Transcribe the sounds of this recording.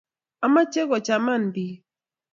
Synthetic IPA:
a˨ma˦t͡ʃe˦ɣɔ˨t͡ʃa˨ma˦˨n˨di˨

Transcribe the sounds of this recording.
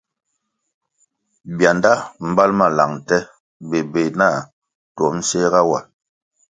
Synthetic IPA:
bja˨nda˦m̩˦ba˦lma˨la̰˨ŋ˨tɛ˦ | be˨be˨na˦˨ | twɔ˨˦m̩˦se˦ɣa˦wa˨

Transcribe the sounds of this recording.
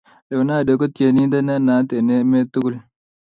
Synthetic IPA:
de˨na˦˨de˨ko˦tje˨ni˦da˦na˦na˨˦t̪e˨ne˦me˦t̪ːu˦ɡu˦l

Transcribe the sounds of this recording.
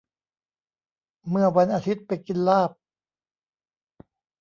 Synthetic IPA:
mɯ˥˩ɐwa˧nʔaː˧t̪ʰi˦˥t̪̚pa˧jki˧nlaː˥˩p̚

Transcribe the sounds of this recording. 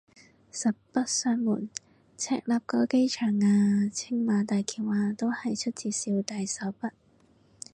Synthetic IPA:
sɐ˨˩p̚pɐ˥t̚sœː˧ŋmuː˨˩n | t͡sʰɛ̰ː˥k̚laː˨p̚kɔː˧˥ke˥jt͡ʃʰœː˨˩ŋaː˧t͡sʰɪ˥ŋmaː˨˧t̪aː˨˩jkʰiː˨˩nwaː˨˧t̪o˥whɐ˨˩jt͡ʃʰɵ˥t̚t͡sʰiː˨˧siː˧wt̪aː˨˧jsɐ˨˥wpɐ˥t̚

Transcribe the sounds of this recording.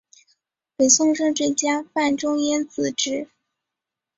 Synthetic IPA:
pe˨˩ɪɕʊ˥˧ŋʂɤ˥˧ŋʈ͡ʂɤ˥˩t͡ɕja˥fa˥˩nʈ͡ʂʊ˥ŋɛ˥nt͡sɹ̩˨˩ʈ͡ʂɻ̩˥

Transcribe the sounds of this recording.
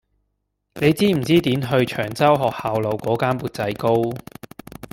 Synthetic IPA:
ne˨˧jt͡siː˥m̩˨˩t͡siː˥t̪iː˨˥nɦɵ˧ɥt͡ʃʰœː˨˩ŋt͡sɐ˥wɦɔː˨k̚haː˨wlɐ˨˧wkɔː˨˥kaː˥npuː˨˧t̚t͡sɐ˨˥jko˥w

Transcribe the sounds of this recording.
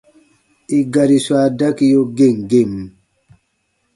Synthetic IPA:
ʔi˨ɡa˨ɾi˨swaː˨da˦ki˦jo˦ɡe˦˨ŋɡe˦˨m

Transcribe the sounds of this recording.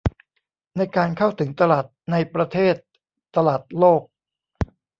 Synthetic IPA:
na˧jkaː˧nkʰa˥˩wt̪ʰɯ˩˦ŋt̪a˧laː˨˩t̪̚na˧jpɾa˧t̪ʰeː˥˩t̪̚ː | a˧laː˨˩t̪̚loː˥˩k̚

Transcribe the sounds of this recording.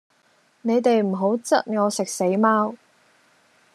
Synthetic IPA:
ne˨˧jt̪e˨jm̩˨˩ɦo˨˥wt͡sɐ˥t̚ŋɔː˨˧sɪ˨k̚se˨˥jmaː˥w

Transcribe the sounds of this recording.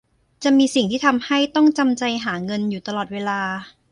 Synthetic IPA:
t͡ɕa˨˩ʔmiː˧si˨˩ŋt̪ʰiː˥˩t̪ʰa˧mha˥˩jt̪ɔ˥˩ŋt͡ɕa˧mt͡ɕa˧jɦaː˩˦ŋɤ˧njuː˨˩t̪a˧lɔː˨˩t̪̚weː˧laː˧

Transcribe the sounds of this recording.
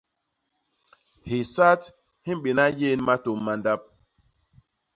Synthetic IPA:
hi˨sa˦t | hi˦ɓe˨na˦je˦nma˦to˨mːa˨nda˦p̚

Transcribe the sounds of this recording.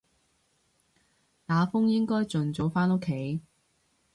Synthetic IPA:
t̪aː˨˥fʊ˥ŋjɪ˥ŋkɔː˥jt͡sɵ˨nt͡so˨˧˥wfaː˥no˥kʰe˨˥j

